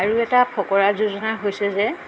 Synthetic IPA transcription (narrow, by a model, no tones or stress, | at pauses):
aɹuɛtapʰɔkɔɹazuzɔnaɦojsɛzɛ